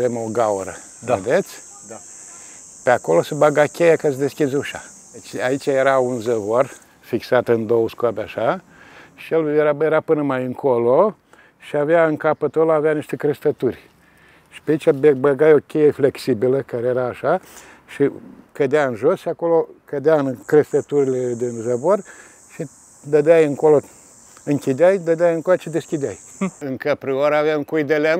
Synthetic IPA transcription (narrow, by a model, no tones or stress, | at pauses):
vemo̞ɡauɾə | d̪aed̪et̪sʲ | peako̞lo̞sebaɡakʲejakasd̪e̞skʲizuʃa̰ | d̪et͡ʃʲait͡ʃʲajeɾaunzəvor | fiksat̪ɨnd̪owəskoabeaʃa | ʃijeljeɾajeɾapɨnəmajɨŋkʰolo | ʃiaveaɨŋkapət̪oloaveaniʃt̪e̞kɾest̪ət̪urʲ | ʃi̥peait͡ʃʲabebəɡajo̞kʲejefleksibiləkaɾejeɾaːʃa | ʃikəd̪eaɨnʒo̞sʃiako̞lokəd̪eaɨnkɾest̪ət̪uɾiled̪enzəvor | ʃi | d̪əd̪ajɨŋko̞lo | ɨŋkʲid̪eajd̪əd̪eajɨŋkoloʃid̪eskʲid̪eaj | ɨŋkəpɾioɾavamkujd̪elʲa